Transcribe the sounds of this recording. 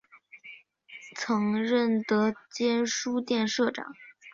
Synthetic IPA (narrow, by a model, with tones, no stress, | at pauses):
t͡sʰɤ˧˥ŋɻə˥˩nt̪ɤ˧˥t͡ɕjɛ˥nʂu˥t̪jɛ˥˧nʂɤ˥˩ʈ͡ʂɑ̰˨˩˦ŋ